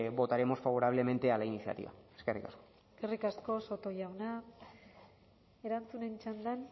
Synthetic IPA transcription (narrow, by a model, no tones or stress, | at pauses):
bo̞t̪aɾe̞mo̞sfaβo̞ɾaβle̞me̞nt̪e̞alainisija̰t̪ḭβa̰eskerikasko̥ | eske̞rikasko̞so̞t̪o̞jawna | e̞ɾant͡sune̞nit͡ʃand̪an